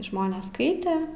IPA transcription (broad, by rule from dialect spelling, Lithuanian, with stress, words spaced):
ˈʒmoːnʲeːs ˈskɐɪtʲɛ